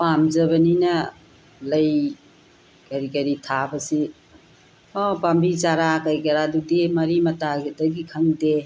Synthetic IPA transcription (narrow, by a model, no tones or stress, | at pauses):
pamzɐβɐninɐ | lɐj | kɐɾikɐɾitʰabɐsi | ɔpambit͡ʃaɾakɐɾikɐɾadudemɐɾimɐtaɡdɐɡikʰɐŋde